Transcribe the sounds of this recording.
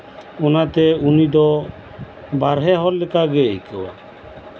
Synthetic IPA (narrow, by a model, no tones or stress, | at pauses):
ɔnat̪ɛunid̪ɔ | baɾɦɛɦɔlːɛkaɡɛjkɛwa̰